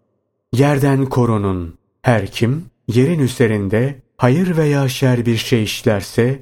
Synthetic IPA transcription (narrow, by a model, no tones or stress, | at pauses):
jæɾd̪ænkʰo̞ɾunun | hæɾcʰimje̞ɾinyze̞ɾind̪ɛ | hajɯɾvejaːʃæɾbiɾʃe̞jiʃlʲæɾsɛ